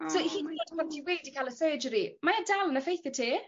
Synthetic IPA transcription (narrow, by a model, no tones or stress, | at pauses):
sohiːnadbʰɔntʰiweːdikʰalˠəsəːd͡ʒəɾimajadalˠənəfejθjətʰiː